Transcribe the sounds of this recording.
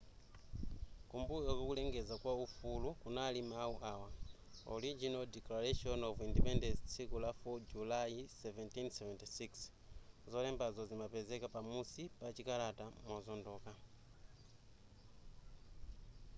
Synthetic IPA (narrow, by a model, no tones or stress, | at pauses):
kumbujokukuleŋɡezakwaufulukunalimauʔawa | o̰ɾid͡ʒinaldɛklaɾeʃonovindipendenssikulafod͡ʒulaisɛventinseventisiks | zolembazozimapezekapamusipat͡ʃikalatamwozondoka